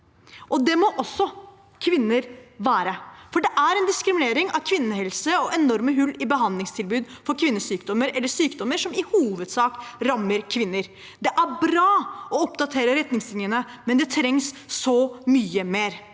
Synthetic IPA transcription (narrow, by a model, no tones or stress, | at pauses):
ʔɔd̪ɛmɔʔɔsːɔ | kʰʋɪnːəɾʋæːɾəfɔɖɛʔæɾɛnd̪ɪskɾɪmɪneːɾɪŋɑʋkʰʋɪnːəhɛlsəɔʔɛnɔɾməɦʉlːɪbəɦɑnd̪lɪŋst̪ʰɪlbʉːd̪fɔɾkʰʋɪnːəsyːkd̪ɔmːəɾɛlːəʂyːkd̪ɔməʂɔmɪhuːʋəd̪sɑːkɾɑmːəɾkʰʋɪnːəɾ | d̪ɛʔæɾbɾɑːɔɔpd̪ɑt̪ʰeːɾəɾɛt̪nɪŋslɪnjənə | mɛnd̪ɛt̪ʰɾɛŋsːɔmyːəmeːɾ